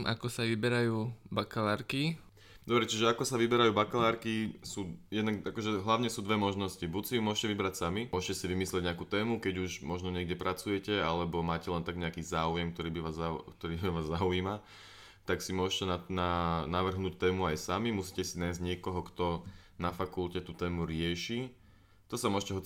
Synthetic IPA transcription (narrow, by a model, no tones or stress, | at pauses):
ʔakɔsaʋibɛɾajuːbakalaːɾki | d̪ɔbɾɛt͡ʃiʒɛakɔsaʋibɛɾajuːbakalaːɾkisuːjɛd̪naɡakɔʒɛɦlaʊɲɛsuːd̪ʋɛmɔʒnɔscibucsijumʊɔʃcɛʋibɾacsamiʊɔʃcɛsiʋimislɛɟɲɛakuːt̪ɛːmukɛɟuʒmɔʒnɔɲɪɛɡɟɛpɾʔat͡sujɛcɛalɛbɔmaːcɛlɛnt̪aɡɲɛakiːzaːujɛmk̚t̪ɔɾiːbiʋaːzakt̪ɔɾiːaʋaːzːaujiːma | t̪aksimʊɔʃcɛnananaʋr̩ɦnuːc̚t̪ɛːmuajsamimusiːcɛsinajzɟɲɛkɔɦɔkt̪ɔ | nafakulcɛt̪uːt̪ɛːmuɾɪɛʃiː | t̪ɔsamʊɔʃcɛɦɔt͡si